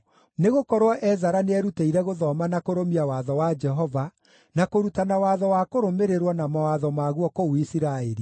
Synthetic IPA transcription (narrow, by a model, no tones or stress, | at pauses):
neɣokɔɾwɔʔɛzaɾaneɛɾuteiɾɛɣoðɔmanakoɾomiawaðɔwad͡ʒɛɦɔva | nakoɾutanawaðɔwakoɾomeɾeɾwɔnamawaðɔmaɣwɔkouisiɾaɛɾi